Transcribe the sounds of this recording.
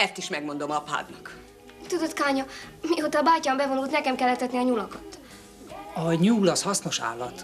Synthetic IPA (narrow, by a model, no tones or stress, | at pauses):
ɛst̪iʃmɛɡmo̞nd̪o̞mɒpa̰ːd̪nɒk | t̪ud̪ot̪kaːɲɒmiot̪ɒːbaːcaːmbɛvo̞nult̪nɛkɛmkɛlːɛt̪ːɛt̪niɒɲulɒkɒt̪ | ɒɒɲuːlɒshɒsno̞ʃa̰ːlːɒt̪